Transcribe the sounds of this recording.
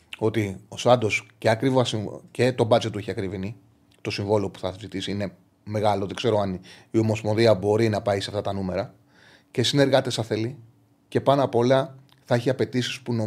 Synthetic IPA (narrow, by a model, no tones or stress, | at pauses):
o̞t̪iosɐnd̪o̞sceɐkɾivɐsice̞t̪o̞bɐt͡set̪ueçiɐkɾivini | t̪o̞siɱvo̞leo̞pu̥θɐzit̪isiine̞ | me̞ɣɐlo̞ðe̞ɡ̥ze̞ɾoɐniomo̞spo̞nðiɐbo̞ɾinɐpɐiseɐft̪ɐt̪ɐnume̞ɾɐ | ce̞sine̞ɾɣɐt̪e̞sɐθe̞li | ce̞pɐnɐpo̞lɐ | θɐeçiɐpe̞t̪isi̥spuno